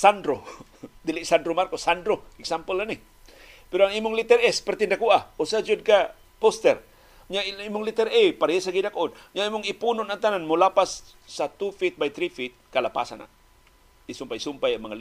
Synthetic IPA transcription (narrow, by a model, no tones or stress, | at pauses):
sandɾod̪iliʔsandɾomarkosandɾoɛksampəlani | piɾaŋimʊŋlit̪ɛrɛspərt̪indakuaosad͡ʒud̚ka | pɔst̪ɛr | ɲaimʊŋlit̪ɛrepaɾajesaɡidakɔn | ɲaimʊŋipunɔnat̪ananmolapasː | at̪ufit̪̚bajt̪ɾifit̪̚kalapa̰sa̰na̰ | isumpaisumpajamaŋəl